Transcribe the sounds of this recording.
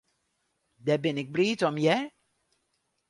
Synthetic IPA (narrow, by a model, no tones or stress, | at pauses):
dɛbɪnɪɡ̚briːtɔmjɛ